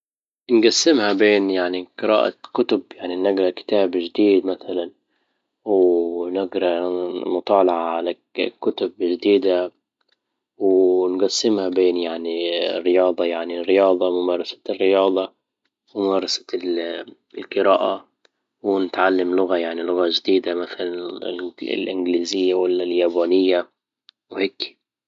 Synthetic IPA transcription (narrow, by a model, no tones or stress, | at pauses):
nɡasːɪmhabeːnjaʕniqɨɾa̰ːʔa̰kʊt̪ʊbjaʕninaɡɾɑkɪ̥t̪aːbʒd̪iːd̪maθalan | wnɪɡɾɑmʊt̪ˤɑːlɑʕaʕala | kːʊt̪ʊbʒɪd̪iːd̪a | wnɡasːɪmhabeːnjaʕnirːɪjɑːd̪ˤɑjaʕnirːɪjɑːd̪ˤɑmʊmɑːɾˤɑsḁrːɪjɑːd̪ˤɑ | wɪmʊmɑːɾˤɑsḁ | lqɨɾæːʔa | wnɪt̪ʕalːamlʊɣajaʕnilʊɣaʒɪd̪iːd̪amaθalan̰ | lʔɪnɡliːzɪjːawalːaljæːbaːnɪjːa | wheːkːi̥